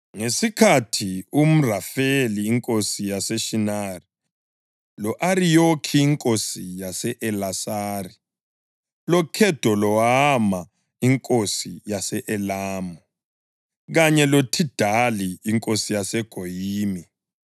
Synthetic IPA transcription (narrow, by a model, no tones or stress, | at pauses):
ŋesikʰatʰium̩rafeliːŋkʼosijasɛʃinari | lɔʔaɾijokʰiːŋkʼosijasɛʔɛlasari | lɔkʰɛd̥ʱɔlɔama | iŋkʼosijasɛʔɛlaːmɔ | ɣaɲɛlotʰid̥ʱaliːŋkʼosijasɛɡ̥ʱojiːmi